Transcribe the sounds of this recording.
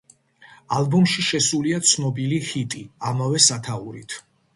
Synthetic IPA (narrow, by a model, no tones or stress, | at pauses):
albumʃiʃɛsuliat̪sʰnɔbilihit̪ʼiamavɛsat̪ʰauɾit̪ʰ